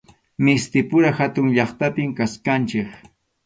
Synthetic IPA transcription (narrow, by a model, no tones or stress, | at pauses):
mɪst̪ɪpʊɾaxat̪ʊŋʎɑχt̪apɪmkaskant͡ʃɪk